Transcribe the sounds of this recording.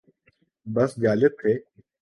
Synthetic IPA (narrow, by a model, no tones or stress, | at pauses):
bɐsd͡ʒaːlɪt̪ʰːeː